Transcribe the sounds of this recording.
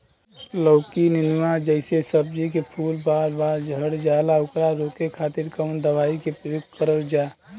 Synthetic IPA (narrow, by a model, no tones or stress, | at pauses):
ləʊkininuwãd͡ʒəɪsesəb̚d͡ʒikepʰuːlbaːɾbaɾd͡ʒʱəɽd͡ʒalaʊkɾaɾok̪ekʰaːt̪ɪɾkəʊnd̪əʋaːikepokkəɾəld͡ʒaː